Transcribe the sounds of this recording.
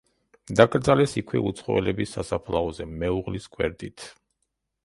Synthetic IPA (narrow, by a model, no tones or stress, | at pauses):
d̪aɡʼɾd̪zalɛsikʰwɛ̰ut̪sʰχɔɛ̰lɛbisːasapʰlˠaɔzɛmɛuʁliskʼwɛ̰ɾd̪it̪ʰ